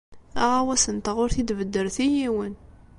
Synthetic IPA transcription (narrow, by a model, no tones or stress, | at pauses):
æʁæwæsənt̪aʁʊɾθid̪vəd̪ːəɾθijiwən